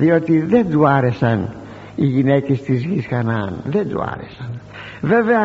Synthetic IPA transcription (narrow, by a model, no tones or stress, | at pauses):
ðiot̪iðɛd̪uaːɾesan | iɣinɛkist̪iz̬ɡisxanaːnðɛd̪ṵa̰ːɾḛsan | vɛvea